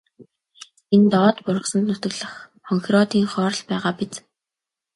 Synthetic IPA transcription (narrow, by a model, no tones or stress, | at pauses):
ent̪ɔːt̪pʊrʁə̆χsə̆nt̪nʊt̪ɵ̆ɣɮə̆χ | χɔŋxʲrɔt̪iːŋχɔːɾ̆ɮpæːʁaːpit͡s